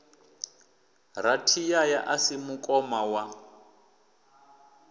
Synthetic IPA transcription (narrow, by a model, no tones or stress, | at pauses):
ratʰijajaʔasimukʼɔmawa